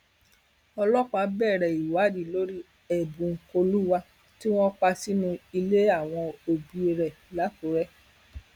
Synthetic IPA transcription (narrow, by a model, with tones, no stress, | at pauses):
ɔ˧lɔ˦k͡pa˨˧˦bɛ˦˨ɾɛ˨i˨wa˨˦di˦˨lo˦ɾi˦ | ɛ˦˨bũ˨ŋ̩˨˦ko˧lu˦wa˧ | ti˦w̃ɔ̃˦k͡pa˧si˦nũ˧i˧le˦a˦˨w̃ɔ̃˧o˨bi˧e˧ɾɛ˨ | la˨˦ko˨˦ɾɛ˦